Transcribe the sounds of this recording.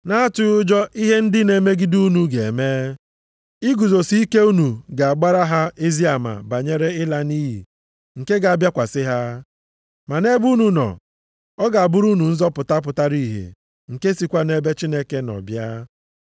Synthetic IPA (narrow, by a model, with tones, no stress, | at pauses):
na˦a˦tʊ˦ʊ˦d͡ʒɔ˦ʔi˦ɦe˦n̩˦dɪ˦ne˨˦me˦ɡi˦du˦nu˨ɡe˨meː˦ | i˦ɡu˨zo˨si˦i˦ke˦u˦nu˨ɡa˨a˨ɡ͡ba˦ɾa˦ɦa˦e˦zi˦a˨ma̰˨ba˨ɲe˦ɾe˦ɪ˦la˦ni˦ɦḭ˨ | ŋ̩˨ke˦ɡa˨a˨bja˦kʷa˨sɪ˦ɦa˦ | ma˨ne˦bu˦nu˨nɔ̰˨ | ɔ˦ɡa˨a˨bʊ˦ɾu˦nu˨n̩˦zɔ˦pʊ˨ta˦p̬ʊ˨ta˦ɾi˦˨ɦḛ˨ | ŋ̩˨ke˦si˨kʷa˦ne˦be˦t͡ʃi˦ne˦ke˦nɔ̰˨bja˦